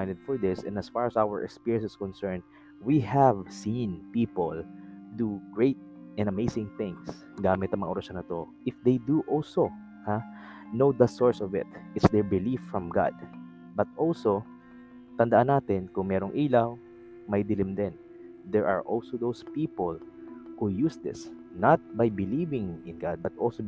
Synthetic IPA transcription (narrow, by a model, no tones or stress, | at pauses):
ajnd̪ɛd̪̥̚fɔɹd̪ɪsɛ̰̃nɐsfaɹɐsawɛɹʔɛ̰kspiɹjɛ̃nsɛskɔ̃nsɛɹnd̪̚ | wihævsĩnpiːpold̪uɡ̥ɹejt̪̚ʔɛ̃nd̪ɐmejsɪ̃ŋθɪ̃ŋs | ɡaːmɪt̪ɐŋmɐŋɐʊɔɾɐʃonɐt̪oʔɪfd̪ejd̪uʔɔlso | ha | nowd̪ɐsɔɹsɔvɪ̰t̪̚ʔɪt̪sd̪ɛɹbɪlifɹɐmɡa̰d̪̚ | bɐt̪̚ʔolso | t̪ɐnd̪ɐʔanːaːt̪ɪnkʊŋmɛːɾoŋʔiːlaw | mɐjd̪ɪlɪmd̪ɛn | d̪ɛɹʔɐ̰ɹʔolsod̪owspiːpolhujusd̪ɪ̰s | nɐt̪̚bajbɪliːvɪ̃ŋɪ̃nɡa̰d̪̚bɐt̪̚ʔolso